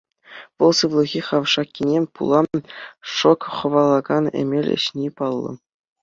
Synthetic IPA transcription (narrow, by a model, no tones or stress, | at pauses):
ʋɤ̆lˠsɯʋlˠɤ̆ɣʲiχɑʋʂɑkʲːinʲemʲpṵlˠɑ | ʂokχɤ̆ʋɑlˠɑɡɑnḛmʲelʲɘ̰̆ɕnʲipɑlˠːɤ̰̆